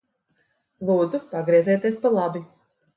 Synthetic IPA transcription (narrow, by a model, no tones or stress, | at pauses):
lˠuːd̪zupaɡɾiɛzɛːt̪iɛspalˠabi